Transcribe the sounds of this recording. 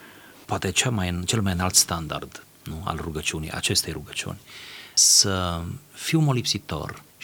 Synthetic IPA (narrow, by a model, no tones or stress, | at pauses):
poat̪et͡ʃelmajɨnt͡ʃelmajɨnalt̪st̪and̪a̰rd̪ | nua̰lruɡət͡ʃiunḭjʔa̰t͡ʃe̞st̪ejruɡət͡ʃiṵnʲsəfiumolipsit̪o̞̰r